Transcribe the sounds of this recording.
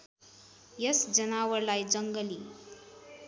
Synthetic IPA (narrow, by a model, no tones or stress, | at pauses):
jəsd͡zənawəɾlajd͡zəŋɡəli